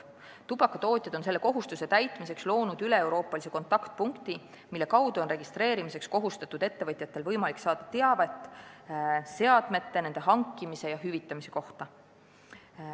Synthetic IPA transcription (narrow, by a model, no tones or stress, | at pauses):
t̪ub̥ɑkːɑt̪o̞ːt̪ʲˑjɑd̪̥o̞nse̞lːe̞ko̞ɦust̪use̞t̪æjt̪ˑmise̞kslo̞ːnud̪yle̞ewɾo̞ːpːˑɑlise̞ko̞nt̪ːˑɑkt̪̚puŋkt̪i | milːe̞kɑwd̪̥uo̞nre̞ɡ̥ist̪re̞ːɾimise̞ksko̞ɦust̪ɑt̪ːˑud̪̥e̞t̪ːe̞vɤt̪ʲˑjɑt̪ːˑe̞lvɤjmɑliksɑːd̪̥ɑt̪e̞ɑve̞t̪ːˑ | se̞ɑd̪̥me̞t̪ːe̞ne̞nd̪e̞ɦɑŋkˑːimise̞jɑɦyvit̪ːˑɑmise̞̥ko̞ht̪ɑ